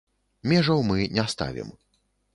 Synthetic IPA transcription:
mʲɛʐɐwmɨnʲɛst̪a̰vʲḭm

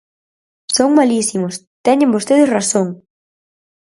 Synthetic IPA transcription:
soŋmalisimʊs | t̪ɛɲẽmbost̪eðɪsrasoŋ

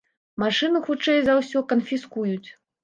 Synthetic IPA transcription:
maʂɨnuxut͡ʂɛjzawsʲɔkɐnfʲiskujut͡sʲ

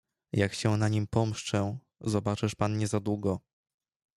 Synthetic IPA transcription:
jakɕɛnaɲimpɔmʂt͡ʂɛ | zɔbat͡ʂɘʂpanɲɛzad̪wuɡɔ

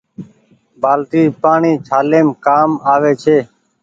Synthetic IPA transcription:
baːlʈ̪iːpaːɳiːt͡ʃʰaːleːmkaːmaːʋeːt͡ʃʰeː

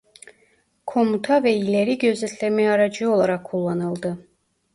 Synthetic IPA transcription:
kʰo̞mut̪ʰavɛilʲeɾiɟø̞zɛt̪ʰlʲemɛjɑɾad͡ʒɯo̞lˠaɾakʰːulˠːanɯlˠd̪ɯ

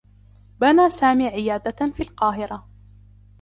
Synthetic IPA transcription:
banaːsaːmiːʕɪjaːd̪afiːlqɑːɦɪɾa

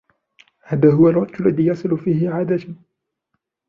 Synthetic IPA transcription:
haːðaːɦʊwalwɑqt̪ʊlːaðiːjɑsˤɨlʊfiːhɪʕaːd̪at̪ː

